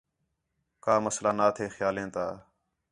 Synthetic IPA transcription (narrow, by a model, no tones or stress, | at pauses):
kaːməslaːnaːt̪ʰeːxjaːlẽːt̪aː